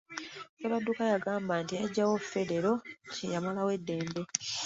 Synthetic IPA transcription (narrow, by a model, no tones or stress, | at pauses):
keβadːukajaɡaːmbaːntiaɟːawofe̞ɾe̞ɾo̞cejamalawe̞dːe̞ːmbe̞